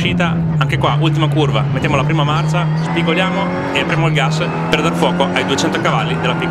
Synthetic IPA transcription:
ʃiːt̪a | aŋkekwaʔult̪̬imakurvamet̪ːjamolapɾiːmamart͡ʃa | spiɡoljaːmo | eapɾjaːmoilɡas | perd̪arfwɔːkoʔajd̪uet͡ʃɛnt̪okavalːid̪elːapikː

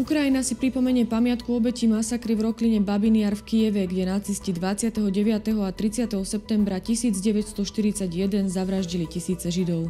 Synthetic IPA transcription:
ukɾajinasipɾipɔmɛɲɪɛpamɪat̪kuɔbɛcimasakɾivɾɔkliɲɛbabinɪaːɾfkijɛʋɛɡɟɛnat͡siscid̪ʋat͡sɪat̪ɛɦɔɟɛʋɪat̪ɛɦɔat̪ɾit͡sɪat̪ɛɦɔsɛp̚t̪ɛmbɾacisiːd͡zɟɛʋɛcst̪ɔʃt̪iɾit͡saɟjɛd̪ɛnzaʋɾaʒɟilicisiːt͡sɛʒid̪ɔʊ

